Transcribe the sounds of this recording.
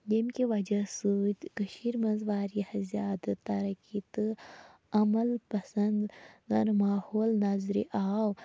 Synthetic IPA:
jemkiʋɐd͡ʒɐsut̪ʲkɐʃiːɾmɐzʋaːɾjɐhɐzʲjaːd̪ɐt̪ɐɾɐkit̪ɨ | ɐmɐlpɐsɐnd̪ɡɐɾmaːhoːlnazɾḭʔaːw

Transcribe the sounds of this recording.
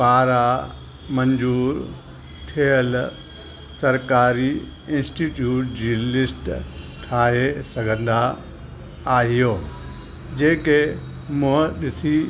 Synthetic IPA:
paːɾa | mɐ̃ɲd͡ʑuːɾ | t̪ʰijəl | sɐɾkaːɾi | ɪ̃nsʈiːʈjuːʈd͡ʑiːlɪsʈ | ʈʰaːɦesɐɡʱə̃nd̪a | aːɦijoː | d͡ʑeːke | mʊ̃ɦə̃ɗɪsi

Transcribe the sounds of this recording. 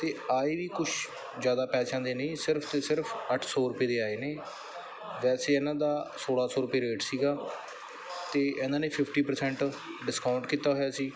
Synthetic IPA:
t̪eːaːeːʋiːkʊʃʰ | zjaːd̪aːpɛːsãːd̪eːnəĩːsɪɾpʰt̪eːsɪɾpʰəʈʰsɔːɾʊpeːd̪eːaːeːneː | ʋɛːseːɛːnãːd̪aːsoːɽaːsɔːɾʊpeːɾeːʈsiːɡaː | t̪eːʔɛ̃ːnd̪aːneːpʰɪpʰʈiːpəɾsɛ̃ɳʈ | ɖɪskaːʊ̃ɳɖkiːt̪aːɦojaːsiː

